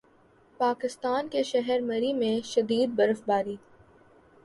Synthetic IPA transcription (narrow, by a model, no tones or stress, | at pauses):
paːkɪst̪aːnkeʃɛɦɛɾmɐɾimẽʃɐd̪iːd̪̚bɐɾəfbaːɾiː